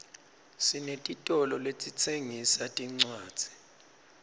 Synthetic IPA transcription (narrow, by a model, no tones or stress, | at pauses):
sinetʼitʼɔlɔlet͡sʼit͡sʰeŋisatʼiŋ͡ǀḁːi̥